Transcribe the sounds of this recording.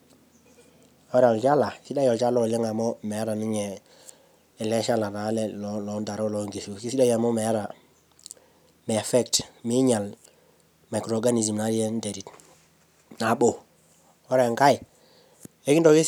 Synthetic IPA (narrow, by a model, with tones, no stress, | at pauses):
o˦ɾɛ˨ɔ˨lt͡ʃa˦la˨i˦si˦da˦jɔ˨lt͡ʃa˦lɔ˦˨le˦ŋa˨mɔ˦me˨a˦ɾa˨ni˦ɲɛ˨ | ɛ˨lɛ˦ʃa˦la˨na˨˦lɛ˨lɔlɔ˨nda˨ɾo˦lɔ˨ŋɡe˨so˨ki˦si˦da˦ja˨mɔ˦me˨a˦ɾa˨ | mɛ˨fɛ˦ktmi˦ɲa˨l | ma˨kɾo˨ɡa˦ni˨s̬i˨mna˨˦ɾi˦ɛ˦nde˨ɾi˨t | na˨bo˨ | o˦ɾɛ˨ŋka˦j | e˦ki˦ndɔ˨ki˦